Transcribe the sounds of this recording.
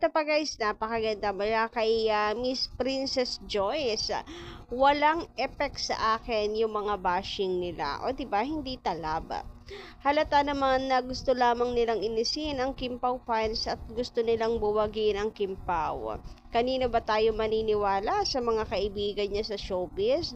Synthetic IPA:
t̪ɐpɐɡaʔɪsnapɐkɐɡɐnd̪amɐlakɐjamispɾinsɛsd͡ʒojs | wɐlaŋʔɛpɛk̚t̪sɐ̰ʔaːkɪnjʊŋmɐŋabaːʃɪŋnɪla̰ʔo̰d̪ɪbahɪnd̪it̪ɐlab | hɐlɐt̪anɐmanːɐɡʊst̪olaːmɐŋnɪlaŋʔɪnɪsɪnɐŋkɪmpɐwpansɐt̪̚ɡʊst̪onɪlaŋbʊwɐɡɪnɐŋkɪmpa̰wkɐniːnobɐt̪aːjomɐniːnɪwaːlɐsɐmɐŋakɐʔɪbiːɡɐnɲasɐʃowpɪs

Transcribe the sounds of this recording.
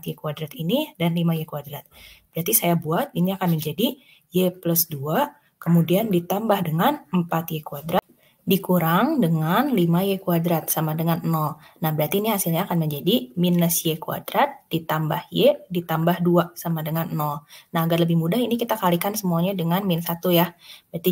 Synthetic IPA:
t̪jekuadɾat̪inidanlimajekuadɾat̪̚bəɾart̪isajabuat̪̚iniakanməɲd͡ʒadi | jepləsdua | kəmudiandit̪ambahdəŋanəmpat̪jekuadɾat̪̚ | dikuɾaŋdəŋanlimajekuadɾat̪̚samadəŋannɔnahbəɾart̪iːniɦasilɲaːkanməɲd͡ʒadiminəsjekua̰dɾat̪̚d̥it̪ambahjedit̪ambahduasamadəŋannɔnaɦaɡarləbɪhmudahinikit̪akalikansəmuaɲadəŋanmɪnsat̪ujab̥əɾart̪i

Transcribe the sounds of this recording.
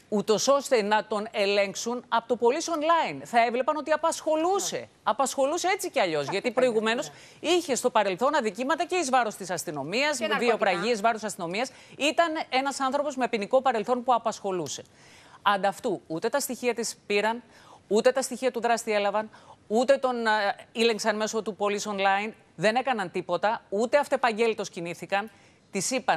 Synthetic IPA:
ut̪o̞so̞st̪e̞nɐt̪o̞ne̞le̞ŋksunɐpot̪o̞po̞liso̞nlɐinθɐe̞vle̞pɐnot̪iɐpɐsxo̞luse̞̰ | ɐpɐsxo̞luse̞e̞t͡siceɐʎo̞zʝɐt̪ipɾo̞iɣume̞no̞s | içe̞st̪o̞pɐɾe̞lθo̞nɐðicimɐt̪ɐce̞izvɐɾo̞st̪isɐst̪ino̞miɐzðiopɾɐʝizvɐɾosɐst̪ino̞miɐs | it̪ɐne̞nɐsɐnθɾo̞po̞zme̞piniko̞pɐɾe̞lθo̞npuɐpɐsxo̞luse̞ | ɐnd̪ɐft̪uut̪e̞t̪ɐst̪içiɐt̪ispiɾɐn | ut̪e̞t̪ɐst̪içiɐt̪uðɾɐst̪ie̞lɐvɐnut̪e̞t̪o̞nileŋksɐnme̞so̞t̪upo̞liso̞nlɐin | ðe̞ne̞kɐnɐnt̪ipo̞t̪ɐut̪e̞ɐft̪epɐɲɟe̞lit̪o̞sciniθikɐn | t̪isipɐ

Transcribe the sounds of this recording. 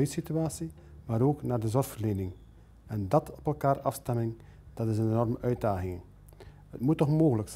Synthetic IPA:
œɥsityaːsi | maːɾoːknaːrdəzɔrxfərleːnɪŋ | ɛndɑtʰɔpɛlˠkaːrɑfstɛmɪŋ | d̥ɑtɪsənenɔrməʔœɥt̚daːɣɪŋə | hətmutːɔxmoːɣələks

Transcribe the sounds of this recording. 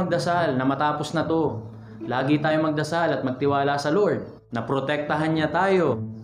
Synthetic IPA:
ɐɡ̚d̪ɐsalnɐmɐt̪aːposnɐt̪o̞ | laːɡɪt̪aːjo̞mɐɡ̚d̪ɐsalɐt̪̚mɐɡ̚t̪ɪwaːlasɐloɹd̪̚ | nɐpɾot̪ɛk̚t̪ɐɦanɲat̪aːjo̞

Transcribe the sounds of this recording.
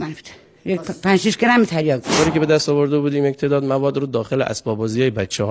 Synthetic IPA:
mænft̪ʰ | jepʰænʃiʃɡeɾæmit̪ʰæɾjɒːɡ̪oːɾiːkʲee̞d̪æst̪ɒvoɾd̪ebuːd̪iːmjec̚t̪ʰeːd̪ɒːd̪mævɒːd̪ɾuːd̪ɒːxeleʔæ̰sbɒːbɒːzijɒːjebætt͡ʃʰːehɒː

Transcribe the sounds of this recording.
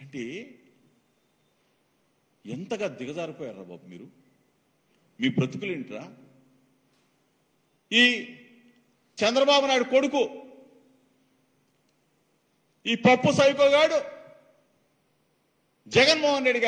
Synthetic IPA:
ɳʈeː | ent̪ɐɡaːd̪iɡɐd͡ʒ̪aːɾipoːjaːɾa̰ːba̰ːbumḭːɾu | miːbɾɐt̪i̥kuleɳʈiɾaː | iː | t͡ʃɛnd̪ɾɐbaːbunaːjuɽuko̞ɽuku | iːpɐpːusɐjpoːɡaːɽu | d͡ʒɛɡɐnmɔːɦɐnɾe̞ɖːiɡa

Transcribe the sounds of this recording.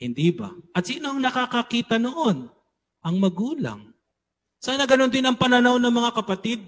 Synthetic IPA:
hɪnd̪iːbɐ̰ʔɐt̪̚siːno̞ɐŋnɐkakɐkiːt̪ɐnoʔo̞n | ʔɐŋmɐɡuːlɐ̰ŋ | saːnɐɡɐno̞nd̪ɪnɐŋpɐnɐnawnɐŋmɐŋakɐpɐt̪id̪̚

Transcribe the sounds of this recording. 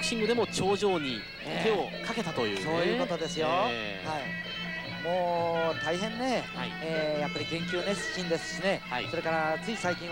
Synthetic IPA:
kɯ̟ɕĩŋɡɯd̪e̞mo̞t͡ɕo̞ːʑo̞ːɲ̟i | t̪e̞okake̞t̪at̪o̞jɯ̟ːso̞ːjɯ̟ːko̞t̪o̞d̪e̞sɨjo | hai | moːt̪aiɦẽ̞nːe̞ː | japːaɾʲikẽ̞ŋkʲɨːnesɨ̥kʲːĩnd̪e̞sɨ̥ɕine̞so̞ɾe̞kaɾat͡sɨisaikʲĩ

